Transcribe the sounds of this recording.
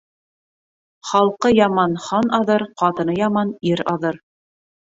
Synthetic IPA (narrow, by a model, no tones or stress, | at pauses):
χɑlˠqɤjɑmɑnχɑnɑðɤɾqɑt̪ɤ̆nɤjɑmɑniɾɑðɤɾ